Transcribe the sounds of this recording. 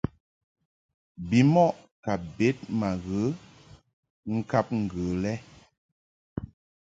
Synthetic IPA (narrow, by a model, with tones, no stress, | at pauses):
bi˨˦mɔ˦ʔka˨be˦t̚ma˨ɣə˨˦ | ŋ̩˦ka˦p̚ŋ̩˨ɡə˨lɛ˦